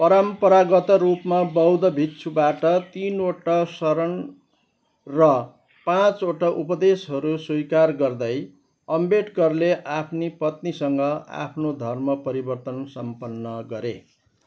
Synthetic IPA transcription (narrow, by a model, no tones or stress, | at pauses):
pʌɾʌmpʌɾaɡʌt̪ʌɾupmabʌwd̪ʌbʱit̪ːsʰubaʈʌt̪inoʈʌsʌɾʌn | rʌ | pãt͡soʈʌʔupʌd̪esɦʌɾuswujkarɡʌrd̪ʌj | ʌmbeʈkʌrleʔapʰnipʌt̪nisʌŋɡʌa̰pʰnod̪ʱʌrmʌpʌɾibʌrt̪ʌnsʌmpʌnːʌɡʌɾḛ